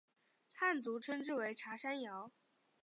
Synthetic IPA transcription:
t̪ʰa˥˩nt͡su˧˥ʈ͡ʂʰɤ˥ŋʈ͡ʂɻ̩˥˩we˧˥ɪʈ͡ʂʰa˧˥ʂa˥njɑ˧˥ʊ

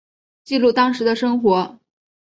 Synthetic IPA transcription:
t͡ɕi˥˧lu˥˩t̪ɑ˥ŋʂɻ̩˧˥d̪ə˧ʂɤ˥ŋxwɔ˧˥

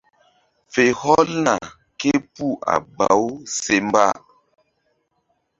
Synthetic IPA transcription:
fe˨hɔ˦lna˨ | ke˦pu˦ʔa̰˨ba˨˦wse˦m˦ba˦˨

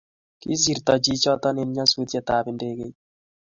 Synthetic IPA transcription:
kḭ˦zi˨ɾt̪ɔ˨d͡ʒi˦t͡ʃɔ˦t̪ɔ˦ne˨n˦ɲa˦su˦tja˨t̪a˨bɪ˨nde˨ɡe˨

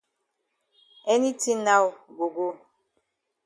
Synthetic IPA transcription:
ɛ˦ni˦ti˦na˦wɡo˨ɡo˦

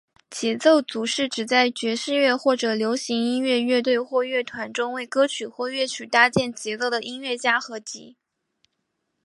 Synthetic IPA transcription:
t͡ɕjɛ˧˥t͡so˥˩ʊt͡su˧˥ʂɻ̩˥˩ʈ͡ʂɻ̩˨˩t͡sa˥˩ɪt͡ɕɥɛ˧˥ʂɻ̩˥˧ɥɛ˥˧xwɔ˥˩ʈ͡ʂɤ˨˩ljo˧˥ʊɕi˧˥ŋi˥nɥɛ˥˧ɥɛ˥˧t̪we˥˧ɪxwɔ˥˧ɥɛ˥˩t̪ʰwa˧˥nʈ͡ʂʊ˥ŋwe˥˩ɪkɤ˥t͡ɕʰy˨˩xwɔ˥˧ɥɛ˥˩t͡ɕʰy˨˩t̪a˥t͡ɕjɛ˥˩nt͡ɕjɛ˧˥t͡so˥˩ʊd̪ə˩ʔi˥nɥɛ˥˩t͡ɕja˥xɤ˧˥t͡ɕḭ˧˥

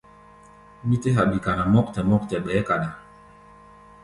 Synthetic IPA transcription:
mi˦te˦ɦa˨ɓi˨ka˨na˨mɔ˦k̚tɛ˨mɔ˦k̚tɛ˨ɓɛː˨˦ka˨ɗa˨

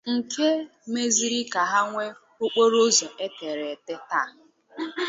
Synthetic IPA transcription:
ŋ̩˨ke˦ | me˦zi˦ɾi˦ka˨ɦa˦ŋʷe˦ | ʊ˦k͡po˦ɾo˦zɔ˨ʔe˦te˨ɾe˨te˦ta˦˨ɦ̩˦

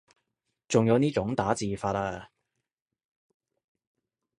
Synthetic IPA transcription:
t͡sʊ˨ŋjɐ˨˧wniː˥t͡ʃʊ˨˥ŋt̪aː˨˥t͡siː˨faː˧t̚aː˧

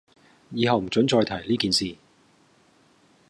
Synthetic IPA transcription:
jiː˨˧ɦɐ˨˧wm̩˨˩t͡ʃɵ˨˥nt͡ʃɔː˧jt̪ʰɐ˨˩jliː˥kiː˨nsiː˨

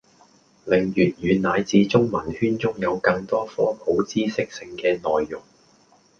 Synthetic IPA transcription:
lɪ˨˩ŋjyː˨˩t̚jyː˨˧nnaː˨˧jt͡siː˧t͡sʊ˥ŋmɐ˨˩nhyː˥nt͡sʊ˥ŋjɐ˨˧wkɐ˧ŋt̪ɔː˥fɔː˥pʰo˨˥wt͡siː˥sɪ˥k̚sɪ˧ŋkɛː˧nɔː˨˩jːʊ˨˩ŋ

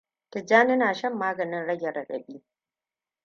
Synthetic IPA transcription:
tɪ˨d͡ʒaː˦nɪ˦naː˨ʃɐ˦˨mːaː˦ɡɐ˨nɪ˦nɽɐ˦ɡʲɐ˨ɽɐ˨ɗɐ̰˨ɓiː˦

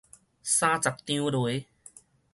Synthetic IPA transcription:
sã˦t͡sa˨˩k̚t̪jĩ˦lw

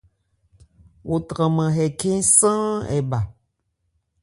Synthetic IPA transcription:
wʔo˨t̪ɾə̃˨mə̃˨ɦɛ˨kẽ˦sə̃˦ɛ̰˨ba˨

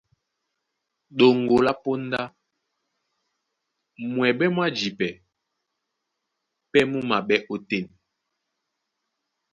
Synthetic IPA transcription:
ɗo˨ŋ˨ɡo˨la˦po˦n˦da˦ | mwɛ˨ɓɛ˦mwa˦d͡ʒi˨pɛ˨ | pɛ˦mu˦ma˨ɓɛ˦ʔo˨te˦˨n

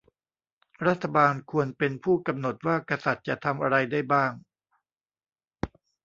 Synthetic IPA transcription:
ɾa˦˥t̪ʰːa˧baː˧nkʰu˧ənpe˧npʰuː˥˩ka˧mno˨˩t̪̚waː˥˩ka˧sa˨˩t̪̚t͡ɕa˨˩ʔt̪ʰa˧mʔa˧ɾa˧jda˥˩jbaː˥˩ŋ

